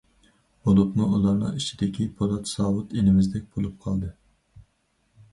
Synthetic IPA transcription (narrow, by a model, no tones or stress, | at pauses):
bolˠupnuulˠɑɾnɨ̰ŋit͡ʃʰid̪ɪkʲʰipʰolˠɑt̪sɑːwut̪inɪmɪzd̪ɛk̚ʲb̥olˠup̚qʰɑlˠd̪ɨ